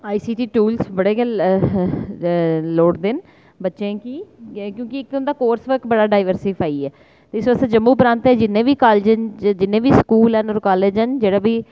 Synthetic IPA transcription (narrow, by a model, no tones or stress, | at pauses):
aːiːsiːʈiːʈuːlsbəɽeːɡəl | loːʈd̪ɪn | bətːʃẽːkiːkjõːkɪɪk̪ːnd̪aːkoːɾsʋəɾkbəɽaːɖaːɪʋəɾsipʰaːiːɛː | t̪eːɪsʋəst̪ẽːd͡ʒəmːũːpɾãːnt̪ɛːd͡ʒɪnːẽːʋiːkaːld͡ʒnd͡ʒɪnːẽːʋiːskuːlɦənɔːɾkaːleːd͡ʒɦənd͡ʒeːɽaːbiː